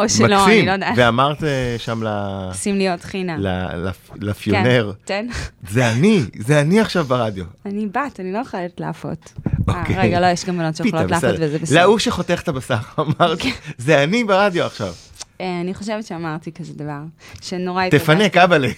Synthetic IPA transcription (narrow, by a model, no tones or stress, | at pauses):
oʃmalosimilod̪aveamaʁt̪eʃamlasimlijotχinala̰la̰flafijoneʁkenzeanizeaniaχʃavbaʁad̪jo̞anibataniloχoleltleːfo̰t̪oakʰeʁeɡaalojeʃɡamvanotʃejeololeased̪vezebelauʃeχo̞t̪eχt̪abasaʁamaʁt̪zeanibeʁad̪joaχʃav | eaniχoʃevetʃeamaʁt̪ikazed̪avaʁʃenoʁajt̪efanekabale